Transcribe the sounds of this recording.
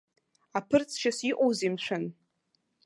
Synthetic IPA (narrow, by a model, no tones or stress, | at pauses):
apʰɨrt͡sʰʃasiqʼowzimʃʷan